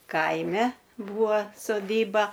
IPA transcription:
ˈkɐɪmʲɛ ˈbuːʋɐ soːˈdʲiːbɐ

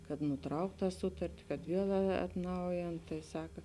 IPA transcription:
kɐt nʊˈtrɐʊkt ˈtɑː ˈsʊtɐrʲtʲɪ kɐt ˈʋʲiɛlˠ ɐtˈnɐʊjeːn tɐɪ ˈsɑːkɐ

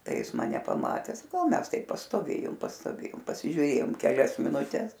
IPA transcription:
ˈtɐɪ ˈjɪs mɐˈnʲɛ pɐˈmɑːtʲɛs ˈmʲɛs ˈtɐɪp pɐstoːˈʋʲeːjʊm pɐstoːˈʋʲeːjʊm pɐsʲɪʒʲuːˈrʲeːjoːm kʲɛˈlʲɛs mʲɪnʊˈtʲɛs

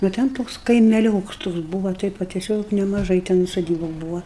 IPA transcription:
nʊ ˈtʲɛn ˈtoːks kɐɪmʲɛˈlʲoːks ˈtoːks ˈbuːʋɐ ˈtɐɪp ʋɐ tʲɛˈsʲoːk nʲɛmɐˈʒɐɪ tʲɛn soːˈdʲiːbʊ ˈbuːʋɐ

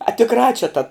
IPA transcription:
ɐ tʲɪkˈrɑː t͡ʃʲɛ tɐ

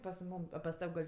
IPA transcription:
pɐs ˈmuːm ɐ pɐs ˈtɐw ɡɐlʲ

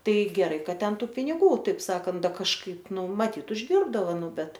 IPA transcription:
tɐɪ ɡʲɛˈrɐɪ ˈkɐt ˈtʲɛn ˈtuː pʲɪnʲɪˈɡuː ˈtɐɪp ˈsɑːkɐnt ˈdɐ kɐʃˈkɐɪp ˈnʊ mɐˈtʲiːt ʊʒʲˈdʲɪrbdɐʋoː ˈnʊ ˈbʲɛt

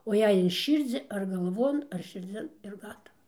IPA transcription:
oː ˈjɛɪ ɪn ˈʃʲiːrʲd͡zʲɪ ɐr ɡɐlˠˈʋoːn ɐr ʃʲɪrʲˈd͡zʲɪn ɪr ˈɡɑːtɐʋɐ

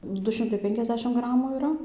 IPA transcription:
ˈdʊ ˈʃʲɪmtɐɪ ˈpʲɛŋʲkʲɛzʲˌdʲæːʃʲɪm ˈɡrɑːmuː iːˈrɐ

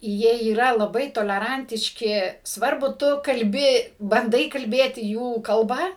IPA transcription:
ˈjiɛ iːˈrɐ lˠɐˈbɐɪ toːlʲɛˈrɐnʲtʲɪʃʲkʲɪ ˈsʋɐrbʊ ˈtʊ kɐlʲˈbʲɪ bɐnˈdɐɪ kɐlʲˈbʲeːtʲɪ ˈjuː kɐlˠˈbɐ

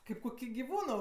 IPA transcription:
ˈkɐɪp kʊˈkʲiː ɡʲɪˈʋuːnoː

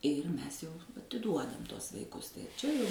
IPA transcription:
ɪr ˈmʲɛs jɛʊ ɐtʲɪˈduɔdɐm ˈtuɔs ʋɐɪˈkʊs tɐɪ ˈt͡ʃʲɛ jɛʊ

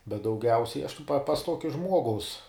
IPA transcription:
bʲɛt dɐʊˈɡʲɛʊsʲɛɪ ɐʃ tɐɪ pɐ pɐs ˈtuɔkʲɛ ˈʒmuɔɡɐʊs

